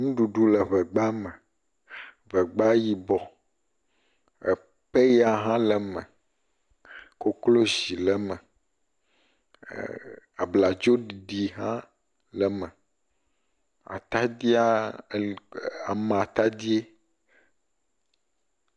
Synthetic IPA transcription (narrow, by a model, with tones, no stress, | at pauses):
nũ˦ɖu˨ɖu˦lɛ˨βɛ˨ɡ͡ba˦mɛ̃˨ | vɛ˨ɡ͡ba˦ji˨bɔ˨ | ḛ˨ | pe˦ja˨ɦã˦lə˨mɛ̃˨ | ko˦klo˦zi˨lɛ˨mɛ̃˨ | a˨bla˨d͡ʒo˦ɖi˨ɖi˨ɦã˦ | lɛ˨mɛ̃˨ | a̰˨t̪a˦d̪i˦a˦˨ | a˨m˨a˨t̪a˦d̪i˦e˦